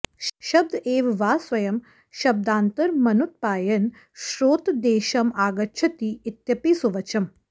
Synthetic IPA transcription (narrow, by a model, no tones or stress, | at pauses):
ʃɐb̚d̪eːʋʋaːsʋɐjɐm | ʃɐb̚d̪aːnt̪ɐɾmɐnut̪̚paːjɐn | ʃɾoːt̪d̪eːʃɐmaːɡɐtːʃʰɐt̪iːt̪jɐpisuʋɐt͡ʃʰɐm